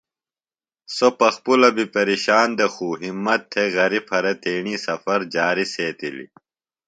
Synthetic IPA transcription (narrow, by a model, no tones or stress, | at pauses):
sopɐxpulɐbipɐɾiɕaːnd̪exuːɦimːɐt̪ʰːeɣɐɾipʰɐɾet̪eːɳiːsɐfɐɾd͡ʑaːɾiseːt̪ilḭ